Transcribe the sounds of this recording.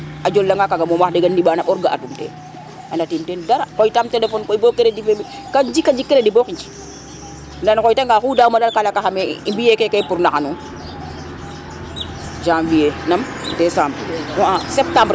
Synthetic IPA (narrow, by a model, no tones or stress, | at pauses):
ad͡ʒolːaŋɡakaɡamomaxdɛɡaniɓanaɓɔɾɡaʔa̰tumtḛ | anatimtendaɾakɔjtamtelefɔnkoibok̚keɾedifemi | kad͡ʒikːad͡ʒikːeɾedibokiɲd͡ʒi̥ | ndankɔjtaŋɡaxudaumalaɾkalakaxamḛimbijekekajpuɾnaxanu | d͡ʒãːmvijenam | desaːmbɾwaasep̚tãmbɾ